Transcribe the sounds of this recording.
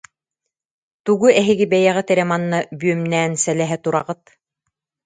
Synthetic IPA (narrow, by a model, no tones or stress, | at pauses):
t̪uɡuɛɦiɡibɛjɛʁit̪ɛɾɛmanːabyœmnɛːnsɛlɛɦɛt̪uɾa̰ʁɯt̪̚